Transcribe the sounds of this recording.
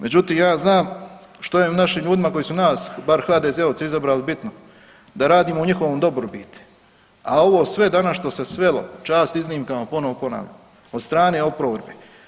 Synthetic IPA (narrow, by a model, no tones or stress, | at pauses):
mʔe̞d͡ʑut̪iːmjaːznaːm | ʃt̪ojemunaʃiːmʎuːd̪imako̞jisunaːsbaɾxaːd̪ezeoʋtseizabɾaːlibit̪no | d̪aɾaːd̪iːmouɲixo̞ʋomd̪o̞bɾobiːt̪u̥ | a̰o̞ʋoːsʋe̞d̪anasʃt̪o̞se̞sʋe̞lˠo̞̰t͡ʃaːst̪izniːmkamapo̞no̞ʋopo̞na̰ːʋʎa̰m | od̪st̪ɾaːne̞ːo̞pɾoʋeɾbe